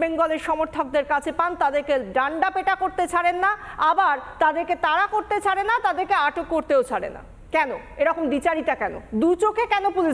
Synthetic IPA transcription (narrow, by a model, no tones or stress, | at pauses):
beŋɡɔleɾʃɔmoɾt̪ʰɔk̚d̪eɾkat͡ɕʰepant̪ad̪eɾkeɖaɳɖapeʈakoɾt̪et͡ɕʰaɽenːaabaɾt̪ad̪eɾket̪aɾakoɾt̪et͡ɕʰaɽenːat̪ad̪eɾkeaʈokːoɾt̪eot͡ɕʰaɽḛna̰ | kɛno̰eɾɔkomd̪it͡ɕaɾit̪akɛno̰d̪ut͡ɕokekɛnopuli